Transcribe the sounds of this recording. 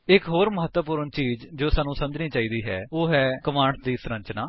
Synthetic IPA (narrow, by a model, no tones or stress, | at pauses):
ɪkɦoːɾməɦət̪wəp̬ʊːɾəɳt͡ʃiːd͡ʒd͡ʒoːsaːnũːsə̃nd͡ʒniːt͡ʃaːiːd̪iːɦɛ̰ːoːɦɛːkəʋaːɳʈd̪iːsɾə̃ɲt͡ʃnaː